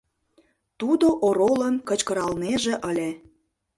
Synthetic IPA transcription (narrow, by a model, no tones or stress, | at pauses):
t̪ud̪oʔoɾolənkə̆t͡ɕkə̆ɾɑlneʒeʔəlʲe